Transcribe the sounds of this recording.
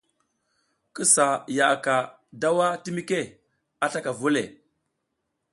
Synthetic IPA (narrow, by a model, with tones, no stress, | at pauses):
kə˦sa˨ja˨ka˨ | da˦wa˦ti˦mi˦ke˦ | a˦ɬa˦ka˨vu˦le˨